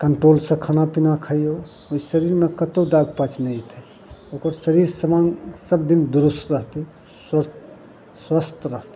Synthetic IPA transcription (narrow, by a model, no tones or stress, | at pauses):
kəɳʈɾolsə̃kʰanapinakʰəjo | oisəɾiɾmekət̪oɖaɡpət͡ʃnəit̪ʰɛ | okəɾsəɾiɾsəmasəb̚d̪ind̪uɾust̪ɾəɦt̪i | s | swəst̪ɾəɦt̪i